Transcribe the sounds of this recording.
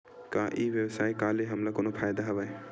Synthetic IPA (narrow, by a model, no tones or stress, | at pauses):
kaʔibjɛbsajkaleɦamlakonopʰajd̪aɦaβaj